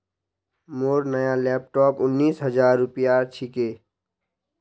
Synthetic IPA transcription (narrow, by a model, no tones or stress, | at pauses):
moːɾnəjalɛːp̚ʈɔːpʊnːiːsɦəzaːɾːʊpijaːɾt͡ʃʰikeː